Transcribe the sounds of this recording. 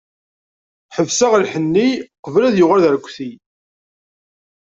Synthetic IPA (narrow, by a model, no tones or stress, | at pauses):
ħəvsæʁlħənːiqəvlæðjʊʁalðəɾkʷːθi